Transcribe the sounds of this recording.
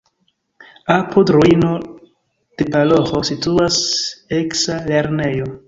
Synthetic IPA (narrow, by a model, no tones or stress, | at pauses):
apʰodɾuino̞ | d̥epalohosituase̞ksale̞ɾne̞jo̞